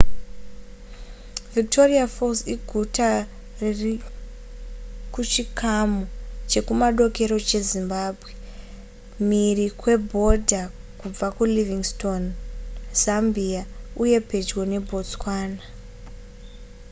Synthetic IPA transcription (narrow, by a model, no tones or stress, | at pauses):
vik̚tʰo̞riafosiɡʱuta | rri | kut͡ʃikamot͡ʃe̞kumaɗo̞ke̞ɾo̞t͡ʃe̞zimbaːbʱwe̞ | mirikwe̞bʱo̞dʱa | kub͡vakuliviŋsto̞nz̥ambiauje̞pe̞d͡ʒɡo̞ne̞bʱo̞t͡skwaːna